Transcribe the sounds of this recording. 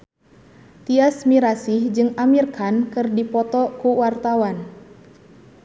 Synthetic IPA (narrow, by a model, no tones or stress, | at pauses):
t̪iasmiɾasɪhd͡ʒɨŋamirkankɨrdipɔt̪ɔkuwart̪awan